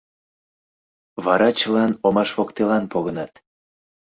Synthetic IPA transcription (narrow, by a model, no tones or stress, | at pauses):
βɑɾɑt͡ɕəlɑnomɑʃβokt̪elɑnpoɣənɑt̪